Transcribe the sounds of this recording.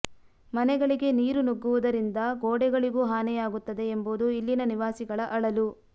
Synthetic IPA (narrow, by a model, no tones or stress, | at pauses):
mɐnɛɡɐɭiɡe̞niːɾunuɡːuʋud̪ɐɾind̪ɐɡoːɽɛɡɐɭiɡuːɦaːnɛjaːɡut̪ːɐd̪e̞ːmbud̪uilːinɐniʋaːsiɡɐɭɐʔɐɭɐlu